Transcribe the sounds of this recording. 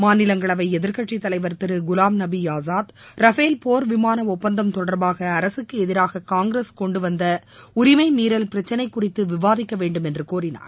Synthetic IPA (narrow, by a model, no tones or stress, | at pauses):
maːnɪlɐŋɡɐɭɐʋɐɪɛðɪɾkɐʈʂit̪ːɐlɐɪʋɐɾt̪ɪɾɯɡʊlaːmnɐbiaːsaːt̪ɾɐfeːlpoːɾʋɪmaːnɐɔpːɐnd̪ɐmt̪ɔɽɐɾbaːɣɐːɾɐsɯkːɯɛðɪɾaːɣɐkaːŋɡɾeskɔɳɖɯʋɐnd̪ɐʊɾɪmɐɪmiːɾɐlpɪɾɐt͡ʃːɐnɐɪkːʊrɪt̪ːɯʋɪʋaːðɪkːɐʋeːɳɖɯmɛndrɯkoːrɪna̰ːɾ